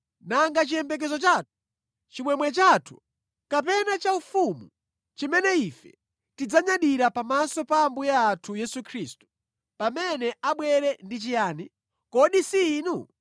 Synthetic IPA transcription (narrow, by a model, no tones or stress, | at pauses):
naŋɡat͡ʃijɛmbɛk̬ɛzɔt͡ʃaːtʰu̥ | t͡ʃimwɛmwɛt͡ʃatʰu̥ | kap̬ɛnat͡ʃaufumu | t͡ʃimɛnɛifɛ | tid͡zaɲaɗiɾapamasɔpambujaːtʰujɛsukʰɾistu̥ | pamɛnɛaɓwɛɾɛndit͡ʃijaːni | kɔɗisiːnu